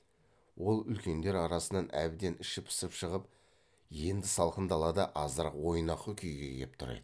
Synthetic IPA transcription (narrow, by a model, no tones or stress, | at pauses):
wo̞lˠʏlkʲe̞nd̪e̞ɾɑɾɑsənɑnʔæ̰bd̪e̞nɪʃɪpʰɪ̥səpʃəʁəp | je̞nd̪ɪsɑlˠqənd̪ɑlˠɑd̪ɑʔɑzəɾqwo̞jnɑqəkʲʰʏjɡʲḛɡʲep̚t̪ʰʊɾḛjd̪ə